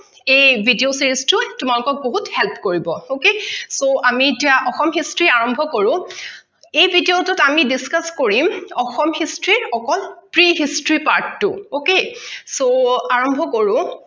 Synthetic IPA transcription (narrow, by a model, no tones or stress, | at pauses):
ejbʱidiosiɹistʊtʊmalʊkɔk̚boɦuthɛlpʰkoɹibɔokesoʔamitijaʔɔxɔmɦistɹiaɹɔmbʱɔkoɹʊ̃ | ejbʱidiotʊtamidiskaskoɹimɔxɔmhistɹiɹɔkɔlpɹiɦistɹipaɹtːʊokesoaɹɔmbʱɔkoɹʊ̃